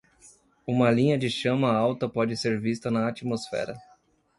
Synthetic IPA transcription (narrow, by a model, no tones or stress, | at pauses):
ũmɐlĩɲɐd͡ʒɪʃɐ̃mɐawt̪ɐpɔd͡ʒɪseɾvist̪ɐnɐat͡ʃimosfɛ̰ɾɐ